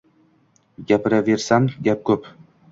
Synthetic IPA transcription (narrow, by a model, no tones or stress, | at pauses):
ɡʲapɪɾave̞ɾsamɡʲap̚kʰɵp